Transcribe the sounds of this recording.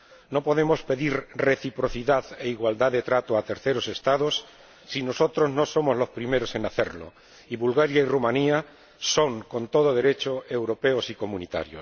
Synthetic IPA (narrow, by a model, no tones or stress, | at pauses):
no̞po̞ðe̞mo̞spe̞ðiɾre̞θipɾo̞θiðaðe̞iɣwald̪aðet̪ɾat̪oat̪e̞ɾθe̞ɾo̞se̞st̪aðo̞sː | ino̞so̞t̪ɾo̞zno̞so̞mo̞zlo̞spɾime̞ɾo̞se̞naθe̞ɾlo̰ | iβulɣaɾjairumãnia | so̞ŋko̞nt̪o̞ð̞oðe̞ɾe̞t͡ʃoe̞wɾo̞pe̞osiko̞mũnit̪a̰ɾjo̰